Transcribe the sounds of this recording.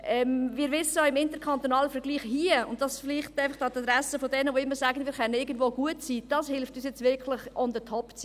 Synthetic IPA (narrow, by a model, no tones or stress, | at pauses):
ʔɛmvɪːɾʋɪsəjoɪmɪntəɾkʰɑnt̪onɑːləfəɾɡ̥liːχhiəʊntd̥ɑsfɪliːχtæɪfɑχdɑt̪ɑdɾæsəfɔdɛnəʋoɪmːəɾsæːɡənviːɾχɛnənɪɡən̩dvoːɡuətsiːd̥ɑshɪlftyːs̬jɛt͡sʋɪkʰləχɔndətʰɔpt͡s